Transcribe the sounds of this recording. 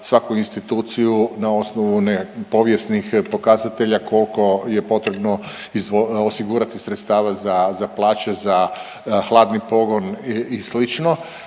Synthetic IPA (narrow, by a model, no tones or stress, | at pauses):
sʋakuinst̪it̪uːt̪sijunao̞snoʋunepo̞ʋjesnixpo̞kazat̪e̞ʎakʰo̞lko̞jepo̞t̪ɾe̞bno | izd̪ʋoosiɡuːɾat̪isɾe̞t̪st̪aːʋazazaplˠaːt͡ɕeza | xlˠaːd̪nipo̞ɡo̞nislit͡ʃno